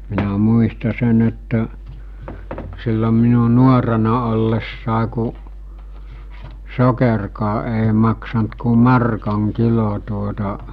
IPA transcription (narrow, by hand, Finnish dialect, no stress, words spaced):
minæ muistɑ sen etːæ silːom minu nuorenɑ olːesːɑˑe ku sokerkɑː ʔeˑi mɑksɑnt ku mɑrkɑŋ kilo tuotɑ